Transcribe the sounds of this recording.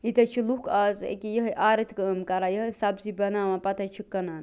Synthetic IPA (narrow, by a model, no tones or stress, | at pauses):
it̪ɐt͡ʃʰilukʰaːzḛkijɐɦɐʔaːɾɐt̪ʰkəmkɐɾajɐɦɐsɐbzibɐnaːmɐ̃pɐt̪ɐt͡ʃʰikːɐnaːn